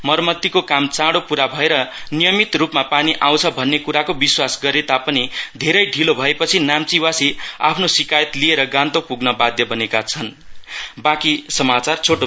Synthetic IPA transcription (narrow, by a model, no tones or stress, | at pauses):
mʌrmʌt̪ːikokamt͡sãɽopuɾabʱʌeɾʌnijʌmit̪rupmapaniʔaw̃t͡sʰʌbʱʌnːekuɾakobiswasɡʌɾet̪apʌnid̪ʱeɾʌjɖʱilobʱʌepʌt͡sʰinamt͡siwasia̰pʰnosikajʌt̪lieɾʌɡãnt̪opuɡnʌbad̪jʌbʌnekat͡sʰʌn | bakisʌmat͡sart͡sʰoʈo